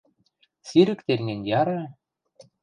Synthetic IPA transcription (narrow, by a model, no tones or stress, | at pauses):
siɾɘ̆kt̪eɾŋĕnʲjɑɾɑ